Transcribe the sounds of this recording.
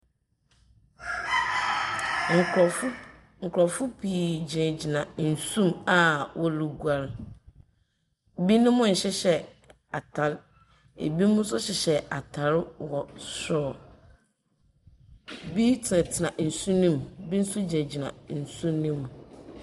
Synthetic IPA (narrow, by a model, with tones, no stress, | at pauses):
ŋ̩˨˦ | ŋ̩˨kʰɾɔ˨fʊ˦pʰi˨d͡ʑi˨nɛ˨d͡ʑi˨nã˨n̩˨sũ˦ma˨wʔɔ˦lu˨ɡu˨˦a˨ɾ | bi˦nʊ̃˦mʊ̃˦n̩˨ɕɛ˦ɕɛ˨ | a˨tʰa˨˦l | ḛ˨bi˦mʊ̃˦sʊ˦ɕɛ˨ɕɛ˨a˨tʰa˨˦ɾwɔ˨sɔ˨ | bi˦tʰɪ˨nã˨tʰɪ˨nã˨n̩˨sũ˦nĩ˦mbi˦n̩˦sʊ˦d͡ʑi˨ɛ̃˨d͡ʑi˨nã̰˨n̩˨sũ˦nĩ˦m˨